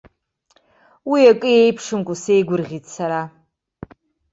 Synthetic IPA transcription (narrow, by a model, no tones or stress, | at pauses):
wiakʼɨjejpʰʂɨmkʷʼuse̞jɡʷʊrʁʲitʼsaɾa